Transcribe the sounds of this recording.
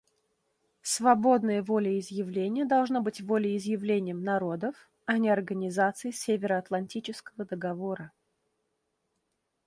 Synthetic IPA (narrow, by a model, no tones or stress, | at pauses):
svɐbo̞d̪nəjəvo̞lʲɪɪzjɪvlʲenʲɪjəd̪ɐlˠʐnabɨtʲvo̞lʲɪɪzjɪvlʲenʲɪjəmnɐɾo̞d̪əf | ɐnʲɪɐrɡənʲɪzat̪sɨjɪsʲevʲɪɾəɐt̪lˠɐnʲtʲit͡ɕɪskəvəd̪əɡɐvo̞ɾə